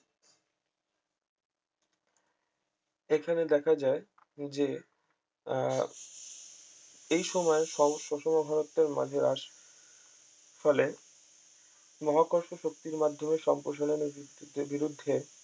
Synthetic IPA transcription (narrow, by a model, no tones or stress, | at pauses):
ekʰaned̪ɛkʰad͡ʑae | d͡ʑe | ejʃɔmɔeʃɔʃɔʃomobʱaɾot̪ːeɾma̰d͡ʑʱeɾa̰ʃ | fɔle | mɔɦakoɾʃoʃok̚t̪iɾmad̪ʱomeʃɔmpɾoʃ̬aloneeɾbiɾud̪ʱːe